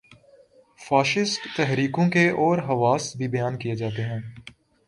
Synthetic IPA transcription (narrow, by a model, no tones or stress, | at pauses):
faːʃɪsʈt̪ɛɦɾiːkõkeʔɔːɾɦɐʋaːsbʱibɐjaːnkijed͡ʒaːt̪̬eɦɛ̃ː